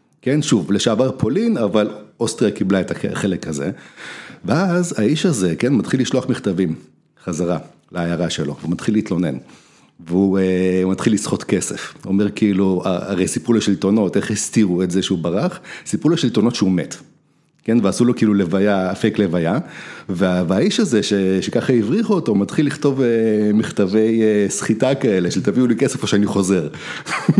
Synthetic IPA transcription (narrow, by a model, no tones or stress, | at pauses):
ke̞nʃuvleʃaːvaʁpʰo̞linavalost̪ʁijakiblaeta̰χelekʰazḛ | veazaiʃaze̞kenmat̪χilːiʃloaχmiχt̪avim | χazaʁa | laajaʁaʃelo̞̰veumat̪χilit̪lo̞ne̞̰n | veuemat̪χilːisχo̞t̪ke̞sḛfomeʁkiilua̰a̰ʁejsipuleʃelt̪ono̞teχist̪iʁuetzeʃeubaʁaχsipuleʃelt̪ono̞t̪ʃeumet | ke̞nveasulo̞keiilulevajaːfeklevajaveavaiʃaze̞ʃeʃekaχaivʁiχuot̪o̞mat̪χilːiχto̞vemiχt̪avejesχitakae̞leʃetaviulikesefoʃeaniχo̞ze̞ʁ